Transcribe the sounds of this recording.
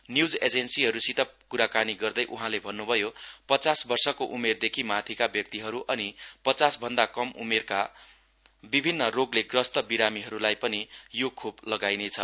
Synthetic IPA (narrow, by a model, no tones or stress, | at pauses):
njud͡zed͡zensiɦʌɾusit̪ʰʌpkuɾakaniɡʌrd̪ʌjʔuɦãlebʱʌnːubʱʌjopʌt͡sasbʌrsʌkoʔumerd̪ekʰimat̪ʰikabjʌk̚t̪iɦʌɾuʔʌnipʌt͡sasbʱʌnd̪akʌmʔṵmerka | bibʱinːʌroɡleɡrʌst̪ʌbiɾamiɦʌɾulajpʌnijokʰublʌɡajnet͡sʰʌ